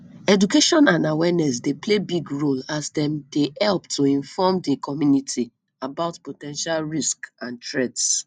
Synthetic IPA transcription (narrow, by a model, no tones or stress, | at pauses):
ɛdukeʃɔ̃nãnawɛnɛsdeplebiɡɹolasdɛ̃mdeɛlptʰuĩnfɔmdekʰɔmjunitʰi | abaʊtpotɛ̃nʃalɹiskãntɹɛds